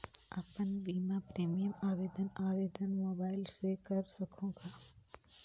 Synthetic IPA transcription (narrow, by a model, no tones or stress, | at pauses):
ɐpənbiːmapɾeːmijəmaːʋeːd̪ənaːʋeːd̪ənmoːbaːɪlsekɐɾsɐkʰõːɡaː